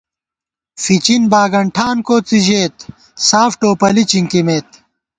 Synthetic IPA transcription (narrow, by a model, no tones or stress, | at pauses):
fit͡ɕinbaːɡɐɳʈʰaːnkoːt͡siʑeːt̪ | saːfʈoːpɐlit͡ɕiŋkimeːt̪̚